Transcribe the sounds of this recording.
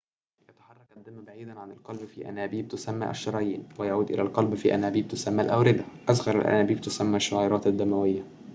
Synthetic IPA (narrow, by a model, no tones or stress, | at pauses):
jɑt̪ḁħɑrˤːɑkʔæd̪ːɪmːbaʕiːd̪ænʕanɪlqɑlbfiːʔæ̰næːbiːb̚t̪ʊsæmːæ̰ːʔæ̰ʃːɑɾˤɑjiːnwɪjaʕuːd̪ʔɪ̰lælqɑlbfiːʔæ̰næːbiːb̚t̪ʊsæmːælʔæwɾɪd̪aʔæzɣɑɾˤa̰lʔæ̰næːbiːb̚t̪ʊsæmːæːʃːoʕɑːɾˤɑːt̪ad̪ːæmæwɪjːa